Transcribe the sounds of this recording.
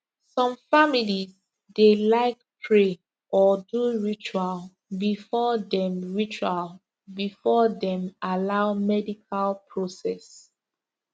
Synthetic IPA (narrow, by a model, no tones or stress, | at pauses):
sɔ̃mfamiliz | delaɪk̚pʰɹe | ʔɔduɹit͡ʃual | bifɔdɛ̃mɹit͡ʃal | bifɔdɛ̃malaʊmɛdikʰalpʰɹosɛs